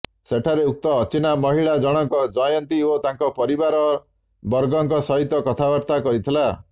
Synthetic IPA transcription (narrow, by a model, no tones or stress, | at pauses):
seʈʰaɾeuk̚t̪ɔːt͡ʃinamɔɦiɭad͡ʒɔɽ̃ɔŋkɔd͡ʒɔjɔnt̪iot̪aŋkɔpɔɾibaɾɔ | bɔɾɡɔŋkɔsɔɦit̪ːɔkɔt̪ʰabɔɾt̪akɔɾit̪ʰila